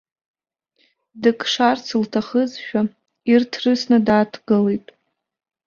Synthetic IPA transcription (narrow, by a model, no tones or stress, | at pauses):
dɨkʼʂart͡sʰɨltʰaχəzʃᶣa | irtʰrɨsnɨdaːtʰɡɨlejtʼ